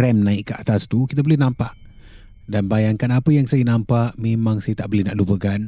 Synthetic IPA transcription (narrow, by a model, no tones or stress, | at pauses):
ɛmnãikːəa̰t̪ast̪uki̥t̪̬abolɛhnãmpaʔ | danbajaŋkanapəjaŋsajənãmpaʔmẽmãŋsajat̪aʔbolɛhnaʔlubəɡan